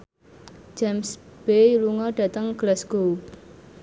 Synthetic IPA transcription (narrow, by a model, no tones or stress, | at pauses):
d͡ʒamsb̥eluŋɔɖ̥ä̤t̪əŋɡ̥əlasɡ̥ou